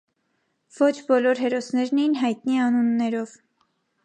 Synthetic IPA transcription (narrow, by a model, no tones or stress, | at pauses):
v̥ɔt͡ʃʰbɔlɔɾɦɛɾɔsnɛɾnɛjinɦɑjt̪niɛɑnunːɛɾɔv